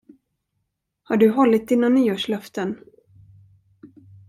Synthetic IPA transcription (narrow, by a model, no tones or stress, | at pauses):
haɖɵɦɔlːɪt̪̚d̪ɪnːannːyːɔʂlœft̪ən